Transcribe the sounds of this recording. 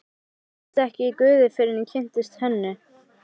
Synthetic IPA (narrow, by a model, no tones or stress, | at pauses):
t̪ɛhcɪikʏːðɪfɪɾɪnɪcʰɪn̥t̪ɪst̪hɛnːʏ